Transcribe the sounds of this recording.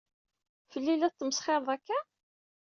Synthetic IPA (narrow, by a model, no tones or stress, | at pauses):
fəlːilæt̪ːəməsχeɾˤðˤækːæ